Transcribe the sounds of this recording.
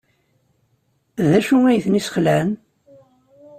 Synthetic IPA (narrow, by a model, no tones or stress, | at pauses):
ðæʃuŋæjθnisχlæn